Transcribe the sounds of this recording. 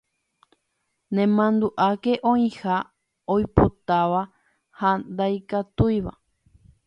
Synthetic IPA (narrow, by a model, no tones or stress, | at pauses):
nẽmãnd̪uʔake̞ʔõĩha | ojpot̪aʋa | hand̪ajkat̪ujʋa̰